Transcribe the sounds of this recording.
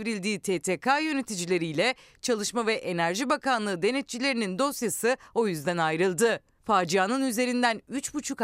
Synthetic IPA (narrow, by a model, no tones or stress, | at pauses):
vɾilʲd̪iːt̪ʰeːt̪ʰekʰajø̞ne̞t̪ʰid͡ʒilʲe̞ɾijlʲɛ | t͡ʃʰalˠɯʃmavɛʔe̞næɾʒibakanlˠɯːd̪e̞net̪̚t͡ʃʰilʲe̞ɾinind̪o̞sjasɯo̞jyzd̪ænajɾɯlˠd̪ɯ | faːd͡ʒijanɯnyze̞ɾind̪ænyt͡ʃbut͡ʃʰuk